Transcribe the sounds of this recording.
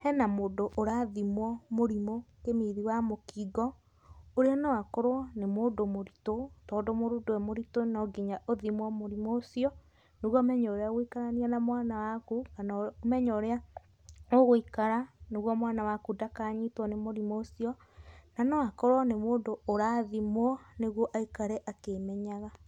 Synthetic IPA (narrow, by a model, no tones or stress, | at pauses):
hɛnamoːdoʔoɾaðimwɔmoɾimokemiðiwamokiːɡɔ | oɾeɔnɔwakoɾwɔnemoːdomoɾitotɔːdomoɾudoɛmoɾitonɔɡiɲaʔoðimwɔmoɾimoːsiɔ | neɣɔmɛɲɔɾeaɣoikaɾaniɛnamwaːnawakukanaomɛɲɔɾea | oɣoikaɾaneɣwɔmwanawakudakaːɲitwɔnemoɾimoːsiɔ | nanawakɔɾwɔnemoːndoːɾaːðimɔneɣwɔʔaikaɾɛʔakemɛɲaɣa